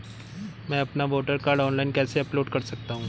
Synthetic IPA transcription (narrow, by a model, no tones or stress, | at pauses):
mɛ̃ɐpnaʋoːʈəɾkaːɾɖɔːnlaɪnkɛːseɐploːɖkɐɾsɐk̚t̪aɦũː